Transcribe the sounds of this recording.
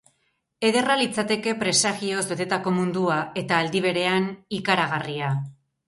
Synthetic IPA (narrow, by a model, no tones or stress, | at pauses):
e̞ðe̞ralit͡sat̪e̞ke̞pɾe̞saɣio̞zβe̞t̪e̞t̪ako̞mund̪uae̞t̪aːld̪iβ̞e̞ɾe̞anikaɾaɣ̞aria